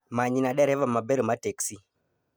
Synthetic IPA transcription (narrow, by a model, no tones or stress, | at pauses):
maɲinaɗɛɾɛvamabɛɾəmatɛksi